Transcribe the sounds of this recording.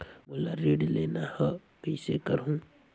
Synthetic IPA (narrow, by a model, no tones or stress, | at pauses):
mʊlaɾeːɖleːnahə | pəisekəɾɦũ